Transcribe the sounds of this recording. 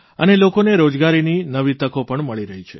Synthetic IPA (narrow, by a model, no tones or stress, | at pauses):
ənelokoneɾod͡ʒɡaɾininəʋit̪əkopəɳməɭiɾəɦit͡ʃʰe